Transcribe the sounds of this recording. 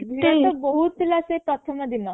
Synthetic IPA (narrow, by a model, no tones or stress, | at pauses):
bʱiat̪ɔbəɦut̪ilasepɾɔt̪ʰəməd̪ina